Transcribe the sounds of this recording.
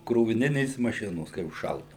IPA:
kroːʋʲɪˈnʲɪnʲeːs mɐˈʃʲɪnoːs kɐɪ ʊʃˈʃɐlˠdɐʊ

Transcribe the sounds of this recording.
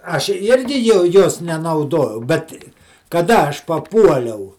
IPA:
ˈɐʃ ˈɪrʲɡʲɪ jɛʊ ˈjoːs nʲɛnɐʊˈdoːjɛʊ ˈbʲɛt kɐˈdɐ ˈɐʃ pɐˈpuɔlʲɛʊ

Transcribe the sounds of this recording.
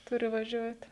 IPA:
ˈtʊrʲɪ ʋɐˈʒʲuɔtʲɪ

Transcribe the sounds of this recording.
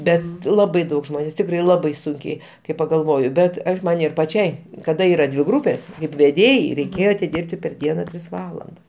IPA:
ˈbʲɛt ˈlˠɑːbɐɪ ˈdɐʊk ˈʒmoːnʲeːs ˈtʲɪkrɐɪ ˈlˠɑːbɐɪ ˈsʊŋʲkʲɛɪ kɐɪ pɐɡɐlˠˈʋoːjʊ ˈbʲɛt ˈɐʃ ˈmɐn ɪr pɐˈt͡ʃʲɛɪ kɐˈdɐ ˈiːrɐ dʲʋʲɪ ˈɡruːpʲeːs kɐɪp ʋʲɛˈdʲeːjɛɪ rʲɛɪˈkʲeːjoː ɐtʲɪˈdʲɪrʲpʲtʲɪ pʲɛr ˈdʲiɛnɐ ˈtʲrʲɪs ˈʋɑːlˠɐndɐs

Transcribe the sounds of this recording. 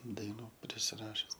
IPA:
dɐɪˈnuː pʲrʲɪsʲɪˈrɑːʃʲʊs

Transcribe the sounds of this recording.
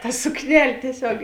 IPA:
tɐ sʊkˈnʲɛlʲ tʲiɛˈsʲoːk

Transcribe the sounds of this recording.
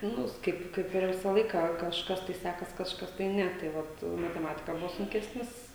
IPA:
ˈnʊs ˈkɐɪp ˈkɐɪp ɪr ˈʋʲɪsɑː ˈlˠɐɪkɑː kɐʃˈkɐs tɐɪ ˈsʲækɐs kɐʃˈkɐs tɐɪ ˈnʲɛ tɐɪ ˈʋɐt mɐtʲɛˈmɑːtʲɪkɐ ˈbʊʋoː sʊŋʲˈkʲæːsʲnʲɪs

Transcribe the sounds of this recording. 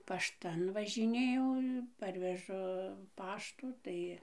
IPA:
pɐʃˈtɐn ʋɐʒʲɪˈnʲeːjɛʊ ˈpɐrʲʋʲɛʒʊ ˈpɑːʃtuː ˈtɐɪ

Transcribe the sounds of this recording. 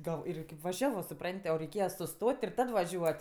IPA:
ɡɐlˠ ˈɪrʲɡʲɪ kʲɪp ʋɐˈʒʲæːʋoː sʊˈprɐnʲtʲ oː rʲɛɪˈkʲeːjɛ sʊˈstoːtʲ ɪr ˈtɐt ʋɐˈʒʲuɔtʲ

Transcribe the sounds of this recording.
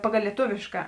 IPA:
pɐˈɡɐlˠ lʲiɛˈtʊʋʲeːʃkɐ

